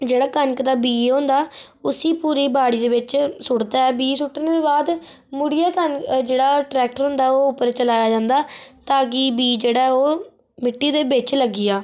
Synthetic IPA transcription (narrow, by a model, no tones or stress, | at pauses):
d͡ʒeːɽaːkənkd̪aːbiːɦõːnd̪aː | ʊsiːpuːɾiːbaːɽiːd̪eːʋɪt͡ʃsʊɽd̪aːɛːbiːsʊʈːnːd̪eːbaːd̪ | mʊɽɪjaːkənd͡ʒeːɽaːʈɾɛːk̚ʈəɾɦõːnd̪aːoːʊpːəɾt͡ʃəlaːjaːd͡ʒãːnd̪aːt̪aːkiːbiːd͡ʒeːɽaːoː | mɪʈːiːd̪eːbɪt͡ʃləɡːɪjaː